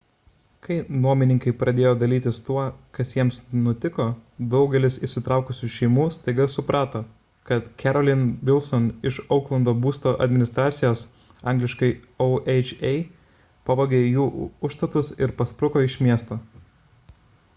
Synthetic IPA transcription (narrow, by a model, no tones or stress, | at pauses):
kɐɪnuɔmʲɪnʲɪŋkɐɪpɾʔɐd̪ʲeːjoːd̪ɐlʲiːt̪ʲɪst̪uɔkɐsjiɛmsnʊt̪ʲɪkoːd̪ɒʊɡʲɛlʲɪsɪʃsʲɪt̪ɾɑˑʊkʊsʲuːʃʲɛɪmuːst̪ɐɪɡɐsʊpɾʔɑːt̪oː | kɐt̪kʲɛɾɔlʲɪnʋʲɪlˠsɔnɪʃɒʊklˠɐnd̪oːbuːst̪oːʔɐ̰d̪ʲmʲɪnʲɪst̪ɾɑːt̪sʲɪjoːs | ɑˑŋɡlʲɪʃkɐɪ | ɔʊʔɛɪt͡ʃʲɛɪ | pɐbɐɡʲeːjuːʊʃst̪ɐt̪ʊsɪɾpɐspɾʊkoːɪʃʲmʲiɛst̪oː